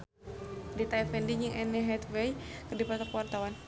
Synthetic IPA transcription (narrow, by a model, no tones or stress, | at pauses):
dit̪aifɛndiɲd͡ʒiŋʔɛnɛɦɛt̪wɛjkədipɾɔt̪ɔkwart̪awan